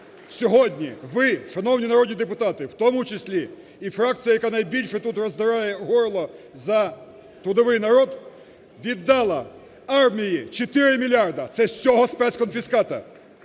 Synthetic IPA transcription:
sʲɔɦɔdʲnʲiʋɪʃɐnɔwnʲinɐɾɔd̪nʲid̪epʊt̪ɑt̪ɪwt̪ɔmʊt͡ʃesʲlʲiː | fɾɑk̪̚t͡sʲijɐjɐkanɐjbʲilʲʃɛt̪ut̪rɔzd̪ɪɾɑjɛɦɔɾlˠɔ | zɐ | t̪ɾʊd̪ɔʋɪjnɐɾɔd̪ | ʋʲid̪ːɑlˠɐ | ɑrmʲijit͡ʃet̪ɪɾɪmʲilʲɑrd̪ɐt̪sɛsʲɔɦɔspɛskɔnfʲiskɑt̪ɐ̰

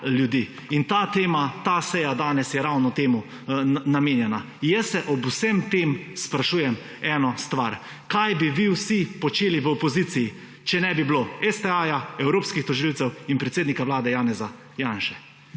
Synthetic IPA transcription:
ljud̪iː | int̪at̪eːmat̪asɛjad̪aːnɛsjɛɾawnɔt̪eːmu | nameːnjɛna | jɛsːɛʔɔbusɛmt̪eːmspɾaʃuːjɛm | ɛːnɔst̪ʋaɾ | kajbiʋiwsipɔt͡ʃeːliʋəɔpɔziːt̪siji | t͡ʃɛnɛbibloɛst̪ɛajaɛwɾoːpskixt̪ɔʒilwt̪sɛwinpɾɛt̪seːd̪nikaʋlaːd̪ɛjaːnɛza | jaːnʃɛ

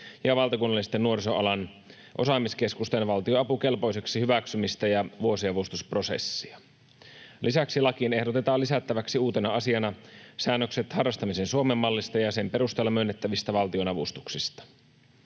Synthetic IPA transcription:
jɑʋɑlt̪ɑkunːɑlːˑisi̥t̪ːenːuo̞ɾisoɑlɑn | ʔo̞sɑmiske̞skust̪enʋɑlt̪ioɑpuke̞lpo̞jse̞ksihyʋæksymist̪æjɑʋuo̞siɑʋust̪uspro̞sḛsːiɑ | lʔisæksilɑkine̞hdot̪e̞t̪ɑːlːisæt̪ːæʋæksiuːt̪enɑɑsiɑnɑsæːnːøkset̪hɑrːˑɑst̪ɑmisensuomemːɑlːist̪ɑjɑsempe̞rust̪eːlːɑmønːet̪ːæʋist̪æʋɑlt̪io̞nɑʋust̪u̥ksist̪ɑ̥

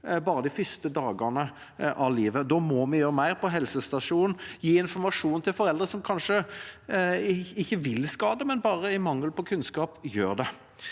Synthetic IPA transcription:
bɑːɾəd̪ɪfʏst̪əd̪ɑːɡənə | ʔɑʋliːʋəd̪ɔːmɔmɪjøːɾəmæɪɾpʰɔɦɛlsəst̪ɑʂuːnn̩jiːɪnfɔmɑʂuːnt̪ʰɪlfɔɾɛld̪ʁəsɔmkʰɑnʂə | ɪçːəʋɪlskɑːd̪əmɛnbɑːʁəɪmɑŋːəlpʰɔkʰʉnskɑːpjøːɾd̪ɛ

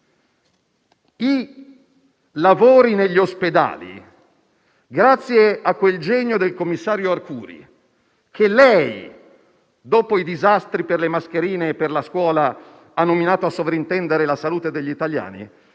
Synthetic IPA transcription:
i | lavoːɾineʎːiosped̪a̰ːlḭ | ɡɾat̪sːjeakːweld͡ʒɛɲːod̪elkomːisːaːɾjoarkṵːɾḭ | kʰelɛj | d̪oːpoid̪izast̪ɾiperlemaskeɾiːneːpːerlaskwɔːla | anːominaːt̪oasːovɾaint̪ɛnd̪eɾelasaluːt̪ed̪eʎːit̪alja̰ːnḭ

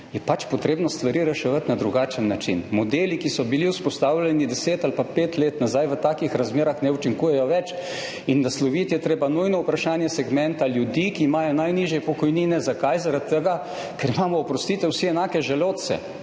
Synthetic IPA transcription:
jɛpat͡ʃpot̪ɾeːbnɔst̪ʋaɾiːɾɛʃɛʋət̪nad̪ɾuɡaːt͡ʃənːat͡ʃḭnmɔd̪eːlikisɔbiliwspɔst̪aːwlʲɛnid̪ɛseːt̪alpapeːt̪leːt̪nazajʋət̪aːkixɾazmeːɾaxnɛut͡ʃiŋkuːjɛjɔʋɛt͡ʃ | inːaslɔʋit̪jɛt̪ɾeːbanujnɔupɾaʃaːnjɛsɛɡmɛnt̪aljud̪iːkiːmaːjɔnajniːʒjɛpɔkɔjniːnɛzakajzaɾat̪ːəɡa | kɛɾimaːmɔɔpɾɔst̪iːt̪ɛwsiɛnaːkɛʒɛloːt̪sɛ̰

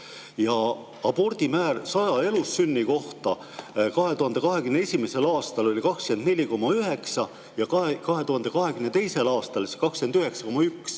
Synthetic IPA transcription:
jɑ | ɑbo̞rd̪̥imæːrsɑjɑe̞lusːynːiko̞ht̪ɑ | kɑɦe̞t̪uɦɑnd̪e̞kɑɦe̞kymneesʲimese̞lɑːst̪ɑlo̞lʲikɑkske̞nne̞lʲiko̞mːɑyɦe̞ksɑ | jɑkkɑɦe̞t̪uɦɑnd̪e̞kɑɦe̞ɡymne̞t̪e̞jse̞lɑːst̪ɑlsekɑkskenyɦe̞ksɑ̥ko̞mːɑyks

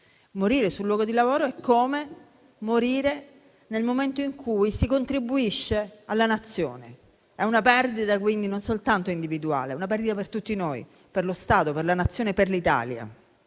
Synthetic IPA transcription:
moɾiːɾesulːwɔːɡod̪ilavoːɾoɛkːoːme | moɾiːɾe | nelmoment̪oiŋkʰujsikont̪ɾibːuiʃːealːanat̪sːjo̰ːne | ɛunapɛrd̪it̪ak̬wind̪inonsolt̪ant̪oind̪ivid̪ua̰ːleɛunap̬ɛrd̪it̪apert̪ut̪ːinoːj | perlost̪aːt̪operlanat̪sːjoːnepːerlit̪a̰ːlja̰

